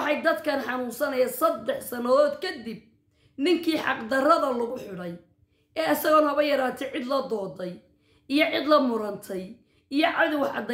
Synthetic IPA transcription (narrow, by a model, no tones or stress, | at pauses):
ħɑjd̪ɐd̪kʰɐnħɑnuːnsɐnɐjɐsɐd̪ːɛħsɐnɐðɔːd̪kʰɐd̪ib̚ | nɪŋkʰiːħɑ̰qd̪ɐrɐðɐlʊɣʊħɪɽɛj | ɛːɐsɐɣɔːnhɐβɐjɐɾaːt̪ʰɛʕɪd̪lɐd̪ɔːd̪ɛj | ijɔʕɪd̪lɐmʊɾɐnt̪ʰɛj | ijɔʕɑðɪwɑħʕɑ̰d̪